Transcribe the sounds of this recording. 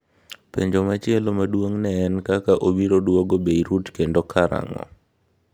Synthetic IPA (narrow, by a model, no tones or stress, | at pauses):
pḛɲd͡ʒomat͡ʃɪɛlomadwoŋnɛːnkakaʔobiɾodwoɡobeiɾutkendokʰaɾa̰ŋɔ̰